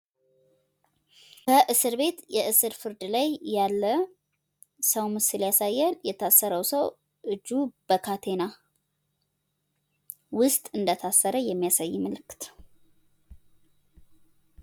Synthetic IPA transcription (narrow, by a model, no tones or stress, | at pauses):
kʰəʔɨsɨɾbe̞t̪jɛʔɨsɨɾfɨɾd̪lajːalːə | səwmɨsɨljasajːɛnjɛt̪ʰasːəɾəwsəw | ʔɨd͡ʒːub̥əkʰat̪ʰe̞na | wʊst̪ʼɨnd̪ət̪ʰasːəɾəjɛmːijasajːməlɨkːɨ̥t̪